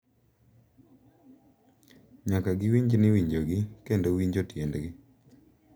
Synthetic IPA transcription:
ɲakaɡɪwiɲd͡ʒnɪwiɲd͡ʒoɡɪkendowiɲd͡ʒotjendɡɪ

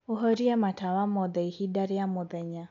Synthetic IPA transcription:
uɦɔɾiamatawamɔðɛihidaɾiamɔðɛɲa

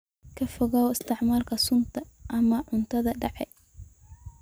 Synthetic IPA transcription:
kʰɐfɔɣaːwɪst̪ʰɪʕmaːrkʰɐsʊnt̪ʰɐʔɐmɐʕʊnt̪ʰɐðɐɖɑʕɛ

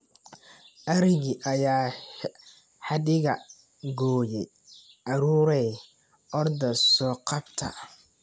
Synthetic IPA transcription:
ʔɐɾɪɣiʔɐjaː | ħɑdɪɣɐ | ɡɔːjɛj | ʔɐɾuːɾɛj | ʔɔrd̪ɐsɔːqɑbt̪ʰɐ̰

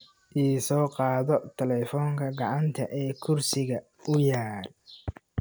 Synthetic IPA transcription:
ʔiːsɔːqɑːðɔt̪ʰɛlɛfɔːŋkʰɐɡɑʕɑnt̪ʰɐʔɛːkʰʊrsɪɣɐ | ʊjaːr

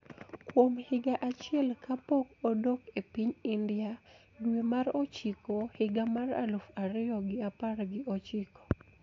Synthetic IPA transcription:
kwomhɪɡaʔat͡ʃɪɛlkʰapokodokepiɲindɪa | dwemarot͡ʃɪkohɪɡamara̰lofaɾɪɔɡɪapaɾɡɪʔot͡ʃɪkɔ̥

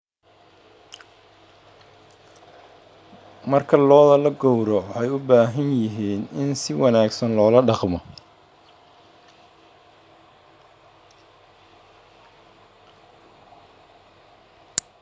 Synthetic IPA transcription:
mɐrkʰɐlɔːðɐlɐɡɔwɾɔħɛjʊbaːɦɐnjɪɦiːnɪnsɪwɑnaːɡsɐnlɔːlɐɖɑqmɔ

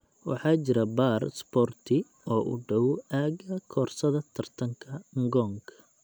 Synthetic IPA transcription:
wɑ̰ħɑːt͡ʃɪɾɐbaːrsbɔrt̪ʰɪ | ɔːʔʊ̰ɖɐwaːɡɐkʰɔːrsɐðɐt̪ʰɐrt̪ʰɐŋkʰɐŋɡɔːŋkʰɐ̥

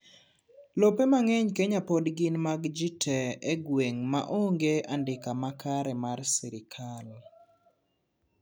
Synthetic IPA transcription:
lopemaŋɛɲkeɲapodɡɪnmaɡd͡ʒitʰɛeɡweŋma̰ʔoŋɡeandɪkamakaɾɛmarsɛɾɪkʰal

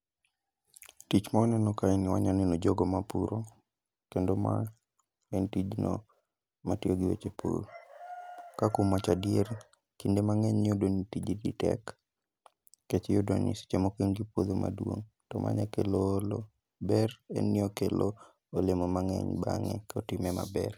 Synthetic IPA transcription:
tit͡ʃmaɔnɛnɔkainɪwaɲanɛnod͡ʒoɡɔmapuɾo | kendoma̰ | ɛntid͡ʒnɔ̰ | matioɡiwḛt͡ʃepṵɾ | kakumat͡ʃadieɾ | kindemaŋɛɲːodonitid͡ʒiditɛ̰k | et͡ʃɛjodonḭsi̥t͡ʃemokinɡipwod̪oma̰dwo̰ŋ | tɔmʔa̰ɲɛkelolo | bɛrɛ̰nːɪɔkelo | olemomaŋɛ̰ɲba̰ŋɛ̰kaotimɛma̰bɛr

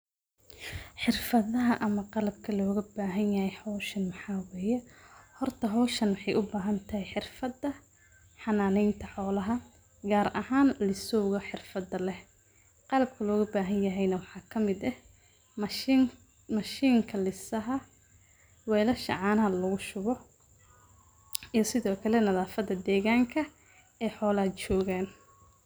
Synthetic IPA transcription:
ħɪrfɐðɐɦɐʔɐmɐqɑlɐb̚kʰɐlɔːɣɐbaːɦɐnjɐhɛjħɔːʃɐnmɑħɑːwɛːjɛhɔrt̪ʰɐɦɔːʃɐnwɑħɑjʔʊbaːɦɐnt̪ʰɐɦɛjħɪrfɐdɐ | ħɑnaːnɛjnt̪ʰɐħɔːlɐɦɐ | ɡaːɾʔɐhaːnlɪsɔwɣɐħɪrfɐðɐlɛh | qɑlɐb̚kʰɐlɔːɣʊbaːɦɐnjɐɦɛjnɐwɑħɑːkʰɐmɪd̪ɛh | mɐʃiːŋkʰɐlɪsɐɦɐ | wɛːlɐʃɐ̰ʕɑːnɐɦɐlɐɣʊʃʊβɔ | ijɞsɪðɔːkʰɐlɛnɐðaːfɐðɐd̪ɛːɣaːŋkʰɐ | ɛːħɔːlɐt͡ʃɔːɣaːn

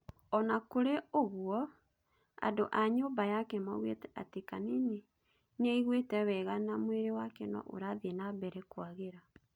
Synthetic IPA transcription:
ɔnakoɾeoɣuɔ | a̰doʔaɲoːbajakɛmaɣwḛtɛa̰tekanene | nɛiɣwetɛwɛɣanamweɾewakenɔ̰ʔo̰ɾaðenabɛɾɛkwaɣeɾa

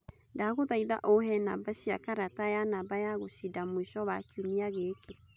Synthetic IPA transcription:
ndaɣoðaiða̰ʔoɦɛnabaɕia̰kaɾatajanabajaɣoɕidamwiʃɔβakiumiaɣeke

